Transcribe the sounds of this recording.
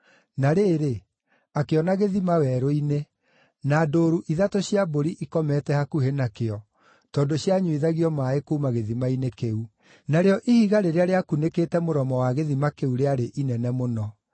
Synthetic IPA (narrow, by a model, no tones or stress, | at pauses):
naɾeːɾe | akeɔnaɣeðimawɛɾoine | naːdoːɾuʔiðatoɕjaboɾiʔikɔmɛtɛhakuɦenakeɔ | tɔndoɕjaɲuiðaɣiɔmaekoumaɣeðimainekeu | naɾeɔʔihiɣaɾeɾeaɾeakunekeːtɛmoɾɔmɔwaɣeðimakeuɾeaɾeʔinɛnɛmonɔ